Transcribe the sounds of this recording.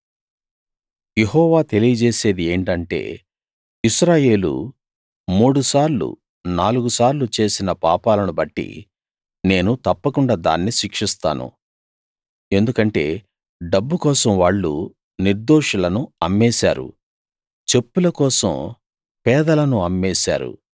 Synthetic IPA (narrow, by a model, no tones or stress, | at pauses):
je̞ɦɔːʋaːt̪e̞lijɐd͡ʒeːse̞ːd̪ie̞ːɳʈɐɳʈe̞̰ː | iʃɾaːje̞ːlṵ | muːɽusaːɾlṵ | naːluɡusaːɾlut͡ʃe̞ːsinɐpaːpaːlɐnubɐʈːḭ | ne̞ːnut̪ɐpːɐkuɳɖaːd̪a̰ːnːiʃikʂist̪a̰ːnṵ | e̞nd̪ukɐɳʈe̞ː | ɖɐbːukɔːsɐmʋaːɭːṵ | niɾd̪oːʂɐlɐnuɐmːɛːsa̰ːɾṵ | t͡ʃe̞pːulɐkɔːsɐ̰m | pɛːd̪ɐlɐnuɐmːɛːsa̰ːɾṵ